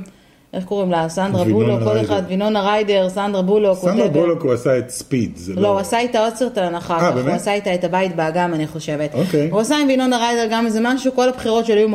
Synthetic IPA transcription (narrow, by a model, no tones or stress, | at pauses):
ʔeχko̞ʁimlasand̪ʁabulokodeχad̪vino̞naʁajde̞ʁsand̪ʁabuloksanddʁbulokuasaet̪spidzloasaitaoseʁtaːnaχaaabemasait̪aetabaitbeaɡamaniχo̞ʃe̞vet̪okeuasaimvino̞naʁajdeʁɡamzemaʃuko̞labχiʁo̞tʃelajum